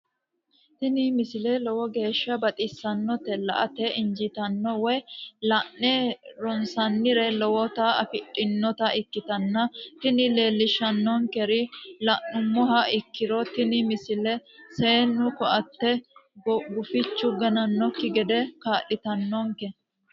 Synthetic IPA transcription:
t̪ɪnɪmɪsɪlɛlɔwɔɡe̞ːʃːɐbɐt̪ʼɪsːɐnːɔt̪ɛlɐ̰ʔɐt̪ɛɪɲd͡ʒɪt̪ɐnːɔwɛjlɐnːeɾɔnsɐnːɪɾɛlɔwɔt̪ɐɐfɪᶑɪnːɔt̪ɐɪkːɪt̪ɐnːɐt̪ɪnɪle̞ːlːɪʃɐnːɔŋkɛɾɪlɐʔʊmːɔɦɐɪkːɪɾɔt̪ɪnɪmɪsɪlɛseːnːʊkɔʔɐt̪ːɛ | ɡʊfɪt͡ʃːʊɡɐnɐnːɔkːɪɡɛd̪ɛkaːʔɪt̪ɐnːɔŋkɛ

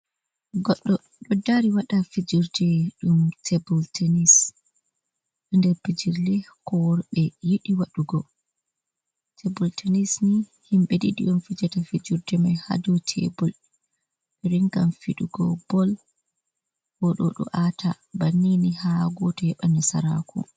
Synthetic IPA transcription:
ɡɔɗːɔ | ɗɔdːaɾiwaɗafid͡ʒuɾdɛɗumtʰebɔltʰɛnis | ɗɔndɛɾpid͡ʒiɾlɛkɔɾɓɛjiɗiwaɗuɡɔ | tʰebɔltʰenisnihimɓɛdiɗḭɗɔmfid͡ʒatafid͡ʒuɾdɛmajha̰dɔtʰḛbɔl | ɾiŋkamfiɗuɡɔ̰bɔl | hɔɗɔɗɔ̰ʔatʰa | banːinihaɡɔtɔɛɓanasaɾa̰kʰṵ

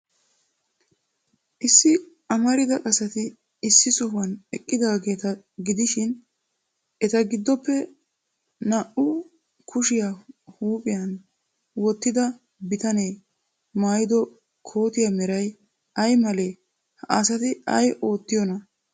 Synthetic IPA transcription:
ʔɪsːɪ | ɐmɐɾɪd̪ɐkʼɐsɐt̪ɪː | sːɪsɔhɐnɛkʼːɪd̪aːɡe̞ːt̪ɐ | ɡɪd̪ɪʃɪn | ɛt̪ɐɡɪd̪ːɔpːɛ | nɐʔʊ | kʰʊʃɪjaːhuːpʼɪjɐn | wɔt̪ːɪd̪ɐ | bɪt̪ɐne | maːjɪd̪ɔ | kʰo̞ːt̪ɪjɐmɛɾɐj | ɐjmɐle̞ː | hɐasɐt̪ɪɐ̰jʔo̞ːt̪ːɪjɔnɐ

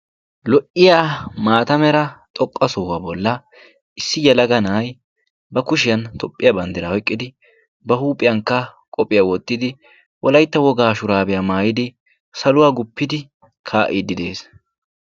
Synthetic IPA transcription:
lɔʔɪjamaːt̪ɐmɛɾɐt̪ʼɔkʼːɐsɔhɐbɔlːɐ | ʔɪsːɪjɛlɐɡɐnaːj | bɐkʊʃ̬ɪjɐnt̪ʰɔpʼːɪjɐbɐnd̪ɪɾɐhɔjkʼːɪd̪ɪ | bɐhuːpʼɪjɐŋkːɐ | kʼɔpʼːɪjawɔt̪ːɪd̪ɪ | wʔɔlɐjt̪ːɐwɔɡaːʃʊɾaːbɛjamaːjɪd̪ɪ | sɐlʊwaːɡʊpːɪd̪ɪ | kʰaːʔɪd̪ɪd̪e̞ːs

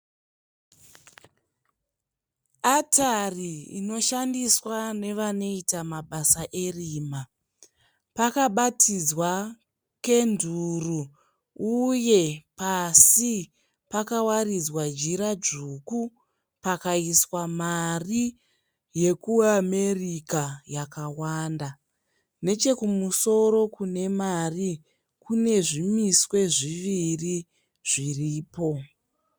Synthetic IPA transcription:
atʰariḭno̞ʃandiswane̞ʋano̞itamaɓasaʔe̞riːma | pakaɓatʰid͡zwa | ke̞ndʱuru | uje̞pasi | pakawarid͡zwad͡ʒiɾad͡ʒuːku | pakaiswamari | je̞kuame̞rikajakawaːnda | ne̞t͡ʃe̞kumuso̞ɾo̞kune̞mari | kune̞ʐimiswe̞ʐiʋiri | ʐ̥iriːpo̞

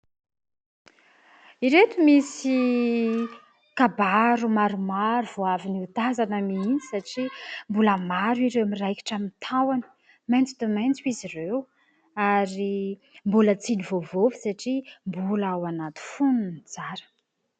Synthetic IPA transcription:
iɾet̪umisi | kabaɾumaɾumaɾuvoaviniut̪azanəmininisaʈ͡ʂimbuləmaɾwiɾewmirajki̥ʈ͡ʂamint̪ʰawani̥ | majnt͡sud̪emajnt͡swizirew | aɾi | mbulət͡sinivovovi̥saʈ͡ʂimbulawanat̪u̥fununit͡saɾə̥

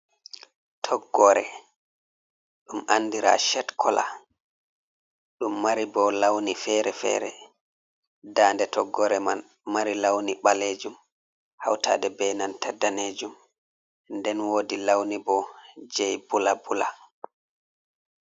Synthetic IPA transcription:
tʰɔɡːɔɾɛ̰ | ɗumʔanːdiɾa̰ʃɛtkʰɔla̰ | ɗumːaɾibɔlawnifɛɾɛfɛ̰ːɾɛ̰ | daːndɛtʰɔɡːɔɾɛman | maɾilawniɓaled͡ʒum | ha̰wtʰa̰ːdɛbɛnantadːaneːd͡ʒum | ndɛnwodilawnibɔd͡ʒɛjbulabula

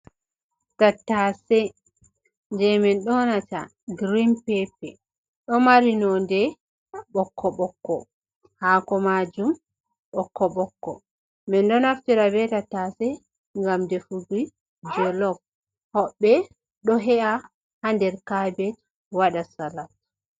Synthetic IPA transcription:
tatːasɛ | nd͡ʒɛmɛnɗɔnata̰ | ɡɾimpɛpɛ | ɗɔmaɾinɔndɛ | ɓɔkʰːɔɓɔkːɔ̰ | haːkɔmad͡ʒum | ɓɔkːɔɓɔkːɔ̰ | mɛnɗɔnaftiɾabɛtatːasɛ | ŋɡamdɛfuɡi | d͡ʒɔlɔb̚ | hɔɓːɛ | ɗɔɦɛʔa | handɛɾkabɛt | waɗasalat

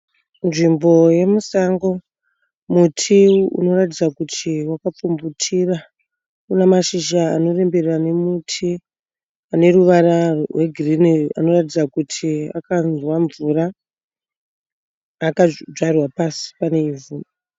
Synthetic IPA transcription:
nʐimbo̞je̞musaŋɡo̞ | mutʰiṵno̞ratid͡zakutʰiwakap͡fumbutʰira | kunemaʃiʒa̰ːno̞re̞mbe̞rrane̞mutʰi | ane̞ɾuʋarawe̞ɡʱirinia̰no̞ratid͡zakutʰia̰kanwaɱvura | kad͡ʒarwapasi̥pane̞ivu

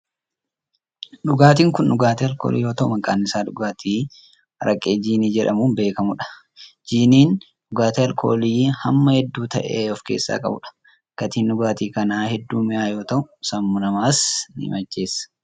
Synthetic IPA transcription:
ᶑʊɡaːt̪iːŋkʊnᶑʊɡaːt̪eɐlkoːlḭːjo̞ːt̪ɐʔʊmɐkʼa̰ːnːɪsaːᶑʊɡaːt̪ʰiː | ɾɐkʼːeːd͡ʒiːniːd͡ʒɛᶑɐmuːnbe̞ːkɐmʊᶑɐ̥ | d͡ʒiːniːn | ᶑʊɡaːt̪ɛɐlkʰo̞ːliːhɐmːɐhɛd̪ːuːt̪ɐʔḛːɔfke̞̰ːsːa̰ːkʼɐ̰bʊ̰ᶑɐ̥ | ɡ̥ɐt̪iːnᶑʊɡaːt̪iːkɐnaːhɛd̪ːuːmɪʔaːjo̞ːt̪ɐʔʊsɐmːʊnɐmaːsnɪhɪ̰mɐd͡ʒːe̞ːsːɐ̥

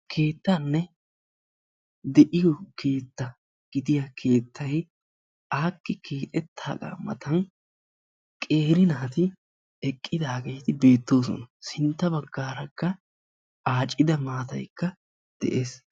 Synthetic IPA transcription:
kʰe̞ːt̪ːaːnːɛ | d̪ɛʔɪjɔkʰe̞ːt̪ːɐ | ɡ̥ɪd̪ɪjakʰe̞ːt̪ʰːɐj | aːkːɪkʰeːt̪ʼɛt̪ʰːaːkʼa̰ːmːɐ̰t̪ɐn | kʼe̞ːɾɪnaːt̪ɪ | ɛkʼːɪd̪aːɡe̞jt̪ɪbe̞ːt̪ːo̞ːsɔ̰nɐsɪnt̪ːɐbɐɡːaːɾɐkːɐ | aːt͡ʃʼːɪd̪ɐmaːt̪ɐ̰jkːɐ | d̪̥ɛ̰ʔeːs

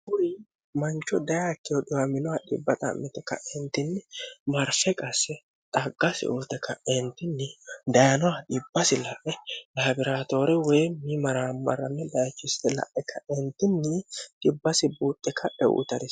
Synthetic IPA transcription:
bʊɾi | mɐnt͡ʃːɔd̪ɐjaːkːɪjɔᶑɪwamɪnɔwɐᶑɪ̰bːɐt̪ʼɐ̰mːɪt̪ɛkːɐ̰ʔɛnt̪ɪnːɪmɐɾfɛkʼɐsːɛ | t̪ʼɐɡːɐsɪ̰ʔut̪ɛkːɐɛnt̪ɪnːɪd̪ɐjɐnɔwaᶑɪbːɐsɪlɐʔɛlaːbɪɾaːt̪oːɾɛwɛjmimɐɾaːmːɐrːɐnːɛd̪ɐjɐt͡ʃːʊst̪ɛlɐ̰ʔɛkʰːɐɛnt̪ːɪnːɪᶑ̥ɪbːɐsɪbuːt̪ʼːɛkʰːɐᶑɛ̰wṵt̪ɐɾɪ

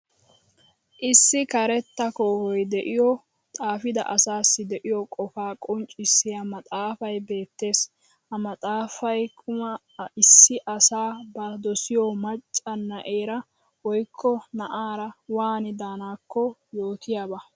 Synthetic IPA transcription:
ʔɪsːɪkɐɾɛt̪ːɐkoːhɔjd̪ɛʔɪjɔ | t̪ʼaːfɪd̪ɐ̰ʔɐsaːsːɪd̪ɛʔɪjɔkʼɔfaːkʼɔnt͡ʃʼɪsːɪjɐmɐt̪ʼaːfɐjbe̞ːt̪ːe̞ːs | hɐmɐt̪ʼaːfɐjkʰʊmɐ | ɪsːɪʔɐsaːbɐd̪ɔsɪjɔmɐt͡ʃʼːɐnːɐʔeːɾɐ | wɔjkʰːɔnɐʔaːɾɐwaːnɪd̪aːnaːkːɔjo̞ːt̪ɪjaːbɐ

